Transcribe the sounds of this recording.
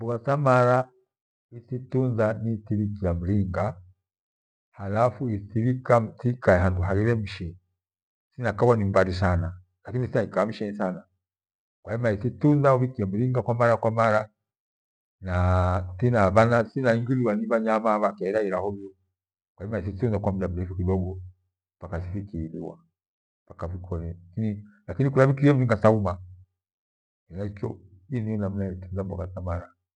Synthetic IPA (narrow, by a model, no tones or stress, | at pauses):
mbuatamaɾa | ititunzanitiβikiam̩liŋɡa | halafuitiβikatikaɛɦanduɦaɣiɾɛm̩ʃɛ | sinakaβwanimbaɾis̬ana | lakinisinaikaam̩ʃɛnisana | kwaimaititunzauβikiɛm̩ɾiŋɡakwamaɾakwamaɾa | natinaβanasinaiŋɡiliwaniβaɲamaβakaiɾaiɾahɔiɔ | kwaɛmais̬itunzakwam̩dam̩ɾɛfukidɔɡɔ | pakas̬ifikilḭwa̰ | pakafikʰɔnɛakinilakinikulaβikiɛm̩ɾiŋɡasauma | ɛnaikɔ̰ | inijɔnam̩naɛtunzambɔ̰ɡasamaɾa